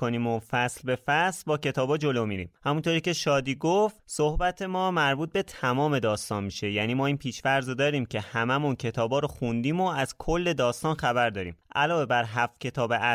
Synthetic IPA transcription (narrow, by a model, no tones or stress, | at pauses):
oniːmofæslbe̞fæslbɒːcʰe̞t̪ʰɒːbɒːd͡ʒo̞lomiːɾḭːmhæmunt̪ʰoɾiːce̞ʃɒːd̪iːɡoft̪sohbæt̪ʰe̞mɒːmæɾbuːt̪̚bet̪ʰæmɒːme̞d̪ɒːst̪ɒːnmiʃe̞jæniːmɒːinpʰiːʃvæɾzod̪ɒːɾiːmcʰe̞hæmæmuncʰe̞t̪ʰɒːbɒːɾoxund̪iːmoæz̥kʰolːe̞d̪ɒːst̪ɒːnxæbæɾd̪ɒːɾḭːʔæ̰lɒːve̞bæɾɦæfcʰe̞t̪ʰɒːbeʔæ